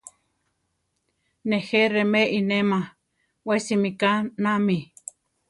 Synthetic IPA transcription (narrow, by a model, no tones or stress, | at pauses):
neheremeʔinema | wesimikanami